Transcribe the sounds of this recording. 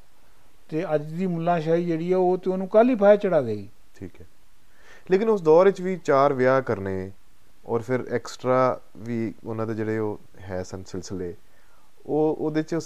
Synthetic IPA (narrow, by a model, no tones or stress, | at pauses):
t̪eːəd͡ʒd̪iːmʊlːãːʃaːiːd͡ʒeːɽiːɛːoːt̪eːoːnũːkaːliːpʰaːjeːt͡ʃəɽaːɡəiː | ʈʰiːkɦɛː | leːkɪnʊsd̪ɔːɾɪt͡ʃʋiːt͡ʃaːɾʋjaːkəɾneː | ɔːɾpʰɪɾɛːksʈɾaː | ʋiːʊnãːd̪eːd͡ʒeːɽeːoː | ɦɛːsənsɪlsəleː | oːoːd̪ɪt͡ʃʊ